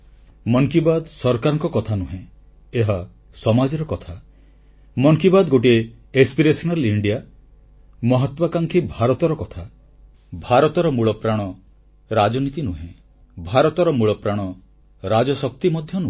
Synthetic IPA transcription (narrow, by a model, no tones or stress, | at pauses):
mɔŋkibad̪sɔɾkaɾɔŋkɔkɔt̪ʰanuɦẽ | eɦa | sɔmad͡ʒɔɾɔkɔt̪ʰa | mɔŋkibad̪ɡoʈ̬ie | ekspiɾesɔnaliɳɖija | mɔɦɔt̪wakaŋkʰibʱaɾɔt̪ɔɾɔkɔt̪ʰa | bʱaɾɔt̪ɔɾɔmuɭɔpɾaɽ̃ɔ | ɾad͡ʒɔnit̪inuɦẽ | bʱaɾɔt̪ɔɾɔmuɭɔpɾaɽ̃ɔ | ɾad͡ʒɔsɔk̚t̪imɔd̪ʱjɔnũ